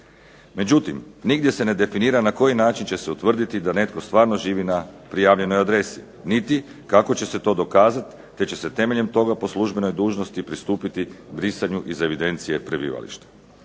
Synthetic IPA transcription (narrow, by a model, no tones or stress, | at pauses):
me̞d͡ʑut̪imniɡd̪je̞se̞ne̞d̪e̞finiːɾanako̞jinaːt͡ʃint͡ɕe̞se̞ut̪ʋr̩d̪it̪id̪ane̞t̪ko̞st̪ʋaːɾno̞ʒiːʋinapɾijaːʋʎe̞no̞jad̪ɾe̞si | nit̪i | kako̞t͡ɕe̞se̞t̪o̞ːd̪o̞kaːzat̪ːe̞t͡ɕe̞se̞t̪e̞me̞ʎe̞mt̪o̞ɡapo̞sluʒbe̞no̞jd̪uːʒno̞st̪ipɾist̪uːpit̪ibɾisaɲuʔize̞ʋid̪e̞nt̪sije̞pɾebḭːʋa̰lḭʃt̪ḁ